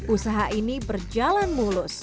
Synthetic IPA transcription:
ʔusaɦaʔinibərd͡ʒalanmulʊs

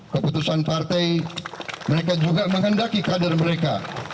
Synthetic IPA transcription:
kəput̪usanpart̪ɛj | məɾek̬ad͡ʒuɡaməŋɦəndakikadarməɾeka

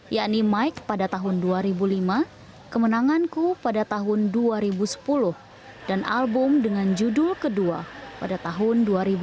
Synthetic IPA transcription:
jaʔnimaik̚padat̪aɦʊnduaɾibulima | kəmənaŋankupadat̪aɦʊnduaɾibusə̥pulʊh | danʔalbʊmdəŋand͡ʒudʊlkədua̰padat̪aɦʊnduaɾibu

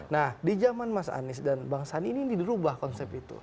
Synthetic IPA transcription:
nahdid͡ʒamanmasa̰nɪsdanbaŋsaninididiɾubahkɔnsɛp̚it̪ṵ

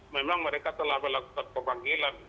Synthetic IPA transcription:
memaŋməɾekat̪əlaɦbɛlakukankəbaŋɡilan

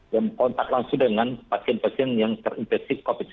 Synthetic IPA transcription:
jamkɔnt̪aklaŋsudəŋanpasiɛnpasiɛnjaŋt̪ərinfɛksikopɪt̪̚

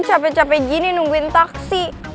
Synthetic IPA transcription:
t͡ʃapɛt͡ʃapɛɡininuŋɡuɪnt̪aksi

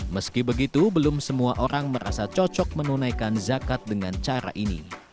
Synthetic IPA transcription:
məskibəɡit̪ubəlʊmsəmuaʔoɾaŋməɾʔa̰sat͡ʃɔt͡ʃɔk̚mənunajkanzakat̪̚dəŋant͡ʃaɾa̰ʔinḭ

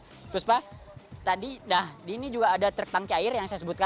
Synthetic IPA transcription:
t̪ɾʊspat̪adinahdinid͡ʒuɡaːdat̪ərt̪aŋkiaɪrjaŋsajasəbʊt̪ka

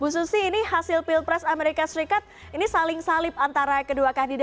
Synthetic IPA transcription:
bususiːnihasɪlpɪlpɾɛsameɾikasəɾikat̪̚ | inisalɪŋsalɪp̚ant̪aɾakəduakandida

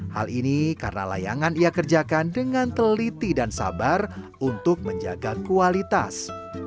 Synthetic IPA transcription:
ha̰linikarəna̰la̰ja̰ŋaniakərd͡ʒakandəŋant̪əlit̪idansa̰bar | unt̪ʊk̚məɲd͡ʒa̰ɡakualit̪a̰s

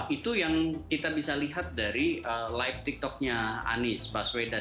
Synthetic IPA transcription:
it̪ujaŋkit̪abisaliɦat̪̚daɾiəlajft̪ik̚t̪ɔk̚ɲaa̰nɪsbasweda

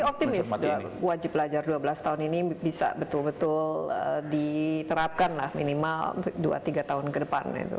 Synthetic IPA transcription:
ɔp̚t̪imɪsdwad͡ʒɪp̚ːəlad͡ʒarduabəlast̪aɦʊninibisa̰bət̪ʊlbət̪ʊlədit̪əɾap̚kanla̰hminimal̰dua̰t̪iɡat̪aɦʊnkədəpa̰nḭt̪ṵ

